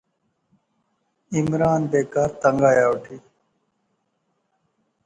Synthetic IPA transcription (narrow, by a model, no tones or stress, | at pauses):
imɾaːnbeːkaːɾt̪ɐŋɡaːjaːwʈʰiː